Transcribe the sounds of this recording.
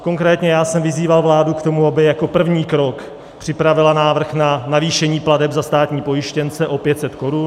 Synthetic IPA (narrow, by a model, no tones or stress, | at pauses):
ko̞ŋkɾɛːt̪ɲɛjaːsɛmvɪziːvalvlaːdukt̪o̞muabɪjako̞pr̩vɲiːkɾo̞k | pr̝̥ɪpɾavɪlanaːvr̩xnanaviːʃɛɲiːpladɛpzast̪aːt̪ɲiːpo̞jɪʃcɛnt͡sɛʔo̞pjɛt̪sɛt̪ko̞ɾun